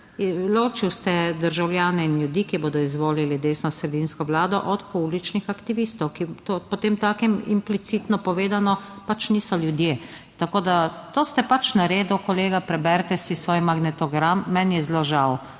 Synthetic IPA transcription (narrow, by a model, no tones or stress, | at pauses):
loːt͡ʃiwst̪ɛd̪əɾʒawlʲjaːnɛinljud̪iːkiboːd̪ɔizʋoːlilid̪eːsnɔsɾɛd̪inskɔʋlaːd̪ɔʔɔt̪puublit͡ʃnixakt̪iʋiːst̪ɔwkit̪opɔt̪eːmt̪aːkɛmḭmplit̪sit̪nɔpɔʋeːd̪anɔpat͡ʃniːsɔljud̪je | t̪akoːd̪at̪oːst̪ɛpat͡ʃnaɾeːd̪ukɔleːɡapɾɛbɛɾt̪ɛsisʋoːjmaɡnɛt̪ɔɡɾamːɛnjɛzloʒaw